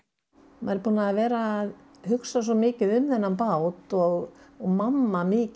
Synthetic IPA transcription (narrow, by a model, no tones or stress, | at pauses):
ma̰jɾpuːnaːðvɛːɾaːð | hʏksas̬ɔmɪːcɪðʏmðɛnːanpawt̪ɔɣɣmamːamɪːc